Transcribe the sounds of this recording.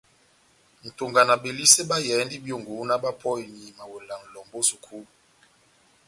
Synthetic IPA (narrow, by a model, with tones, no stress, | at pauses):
n̩˨to˨ŋɡa˨na˨be˨li˦se˦ba˦jɛ˨˦ndi˦bjo˨ŋɡo˨˦na˦ba˦pʰɔ˦i˨ni˨ma˨wo˨la˨ŋ˨lɔ˨mbo˦su˨kʰu˦